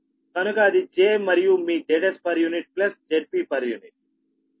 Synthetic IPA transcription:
kɐnukɐːd̪id͡ʒeːmɐɾijumiːɖeːʈespɐɾjuniʈ̚plɐsd͡ʒeːʈ̚piːpɐɾjuniʈ̚

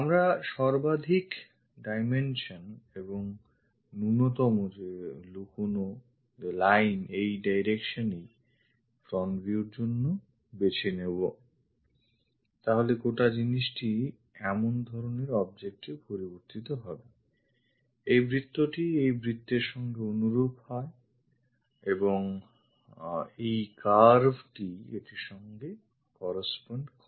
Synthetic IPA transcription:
amɾaʃɔɾbad̪ʱik | ɖajmenʃoneboŋ | nunot̪ɔmod͡ʑelukuno | elajnejɖajɾekʃonej | fɾɔnbiuɾd͡ʑonːo | bet͡ɕʰenebo | t̪aɦoleɡoʈad͡ʑiniʃʈi | ɛmond̪ʱɔɾoneɾɔbd͡ʑek̚ʈepoɾiboɾt̪it̪oɦɔbe | ejbɾit̪ːoʈiejbɾit̪ːeɾʃɔŋɡeonuɾobhɔe | eboŋ | ejkaɾbʱʈiḛʈiʃɔŋɡe | kɔɾasponɖkɔ

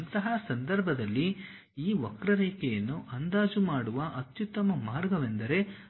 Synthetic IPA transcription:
ɐnt̪ɐɦɐsɐnd̪ɐɾbʱɐd̪ɐlːi | iːʋokɾɐɾeːkejɐnːuʔɐnd̪aːd͡ʒumaːɽuʋɐʔɐt̪jut̪ːɐmɐmaːɾɡɐʋend̪ɐɾe̞

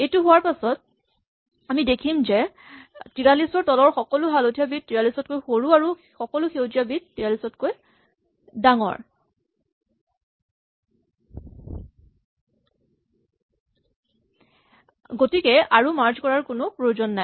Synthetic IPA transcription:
ejtʊɦʊwaɹpasɔt̚ | amidekʰimzɛ | tiɹalisɔɹtɔlɔɹxɔkɔlʊɦalotʰijabit̚tːiɹalisɔtkojxoɹuaɹu | xɔkɔlʊxewtijabit̚tːiɹalisɔtkoj | daŋɔ̰ɹ | ɡotikɛaɹumaɹzkɔɹaɹkʊnʊpɹojzɔnːaj

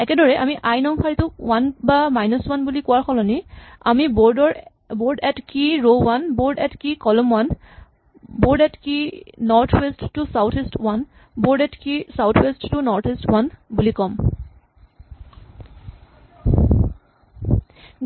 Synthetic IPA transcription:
ɛkɛdɔɹɛʔamiʔajnɔŋpʰaɹitʊwanbamajnɔswanbulikʊwaɹkʰɔlɔniamibɔdɔ | boɹdɛtkiɹowanboɹdɛtkikɔlɔmwan | boɹdɛtkinɔɹt̪ʰwestːusawtʰistwan | boɹdɛtkisawt̪ʰwestːunɔɹt̪ʰistwanbulikɔm

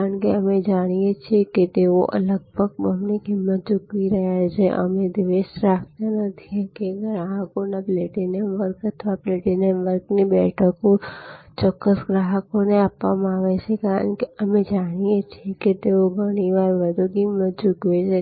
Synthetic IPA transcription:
kaɾəɳkeəmed͡ʒaɽ̃ijet͡ʃʰieket̪eoʔə̰ləɡ̚bʱəɡ̚əmneɡʱɪmːət̪̚d͡ʒʊkʋiɾəɦjat͡ʃʰeʔə̰med̪iʋeʃɾak̚ʰt̪anət̪ʰikeɡɾaɦəkonapleʈinenʋəɾkət̪ʰʋaplɛʈineʋəɾknibɛʈʰəkõt͡ʃɔkːəsɡɾaɦəkoneapʋamãaʋet͡ʃʰekaɾə̰ɳkeəmed͡ʒaɽ̃ijet͡ʃʰieket̪eoɡʱəɽ̃iʋaɾʋəd̪ʱuɡʱɪmːət̪̚d͡ʒʊkʋet͡ʃʰe

